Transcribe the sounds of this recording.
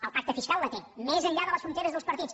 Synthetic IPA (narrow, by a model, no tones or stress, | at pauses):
əlˠpak̚t̪əfiskalˠlət̪emezəʎʎaðələsfɾunt̪eɾəzðəlˠspəɾt̪it͡s